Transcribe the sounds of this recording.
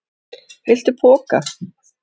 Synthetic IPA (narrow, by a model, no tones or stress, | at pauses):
hejl̥t̪ɪpʰɔːka